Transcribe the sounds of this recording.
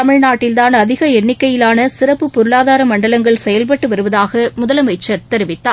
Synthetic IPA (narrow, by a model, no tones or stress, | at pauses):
t̪ɐmɪɻnaːʈːɪlt̪aːnɐðɪɣɐɛnːɪkːɐjɪlaːnɐsɪrɐpːɯpːɔɾɯɭaːðaːɾɐmɐɳɖɐlɐŋɡɐɭsɛjɐlp̬ɐʈːɯʋɐɾɯʋɐðaːɣɐmʊðɐlɐmɐɪt͡ʃːɐɾt̪ɛɾɪʋɪt̪ːaː